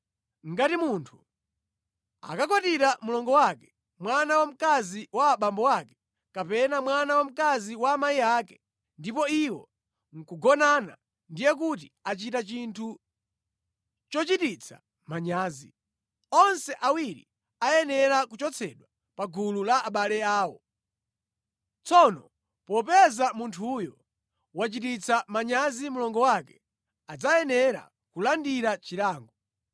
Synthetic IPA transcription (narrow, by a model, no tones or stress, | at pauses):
ŋ̩ɡatimuntʰu | a̰kakwatiɾamulɔŋɡɔwakɛ̥ | mwanawam̩kaziwaɓambɔwakɛ̥ | kapɛnamwanawam̩kaziwaːmajiaːkɛ | ndipɔiwɔ̰ | ŋ̩kuɡɔnana̰ | ndijɛk̬utiat͡ʃitat͡ʃintʰu | t͡ʃɔt͡ʃitit͡sʰa̰ | maɲaːzi | ɔnsɛʔawiɾḭ | ajɛnɛɾakut͡ʃɔt͡sʰɛɗwa | paɡululaːɓalɛaːwɔ | t͡sɔnɔ | pɔp̬ɛzamuntʰujɔ | wat͡ʃitit͡sʰamaɲazimulɔŋɡɔwakɛ | ad͡zajɛnɛɾa̰ | kulandiɾat͡ʃiɾaːŋɡɔ